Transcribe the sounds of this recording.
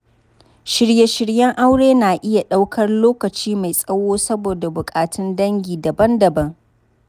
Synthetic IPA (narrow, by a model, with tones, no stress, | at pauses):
ʃɪ˨ɽje˨˦ʃɪ˨ɽjɛ˦ŋʔa˦wɽeː˦naː˨ʔɪ˦ja˨ɗa˦wkʰɐ˦rloː˦kɐ˨t͡ʃiː˦ma˨jsʼɐ˦woː˦sɐ˦boː˨da˨bʊ˨kʼaː˨tɪ˦ndɐ˦ŋɡʲiː˨dɐ˨bɐ˦ndɐ˨bɐ˦ŋ